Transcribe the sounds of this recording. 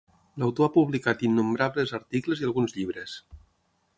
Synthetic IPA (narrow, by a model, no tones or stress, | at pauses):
lawt̪oapuβlikat̪inːumbɾaβlezəɾt̪ikləzialˠɣunzʎiβɾes